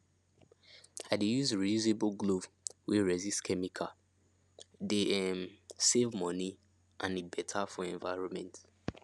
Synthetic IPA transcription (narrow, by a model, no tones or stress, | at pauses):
aɪdejuzɹijuzeblɡlov | wiɹɛzistkʰɛmikʰa | deɛmsevmɔni | ʔãnebɛtʰafɔɛ̃ɱvaɪɹɔ̃nmɛ̃nt